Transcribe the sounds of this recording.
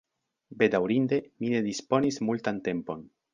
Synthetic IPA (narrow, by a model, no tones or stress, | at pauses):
be̞d̪awɾind̪e̞mine̞d̪ispo̞nismultante̞mpo̞n